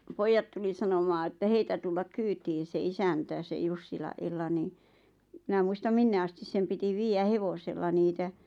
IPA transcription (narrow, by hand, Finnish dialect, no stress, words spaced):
poijːɑt tuli sɑnomɑː ĕtːæ heitæ tulːɑk kyːtiːn̞ se isæntæ se jusːilɑʔ ʔelːɑ niː mĭnæ muistɑm minːe ɑstis sem piti ʋiːjæ heʋoselːɑ niːtæ